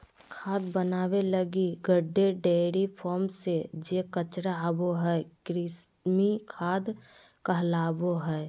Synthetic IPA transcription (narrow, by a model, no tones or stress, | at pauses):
kʰaːd̪bənaːweləɡiɡəɖːeɖeːɾipʰɔːɾmsed͡ʒekət͡ʃɾaaboɦɛːkɾɪs | mikʰaːd̪ | kəɦlaːboɦɛː